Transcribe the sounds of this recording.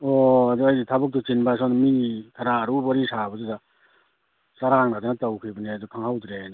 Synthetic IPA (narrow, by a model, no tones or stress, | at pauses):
ɔaduajditʰabɯk̚tut͡ʃinbas̬ɔnmitʰaɾaːɾubɔɾisabɯzɯda | saɾaŋnadɯnatawkʰibɯniadukʰaŋhawdɾen